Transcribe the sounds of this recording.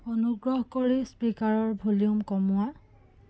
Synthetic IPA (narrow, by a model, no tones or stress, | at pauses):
onuɡɹɔɦkoɹispikaɹɔɹbʱuliumkɔmʊa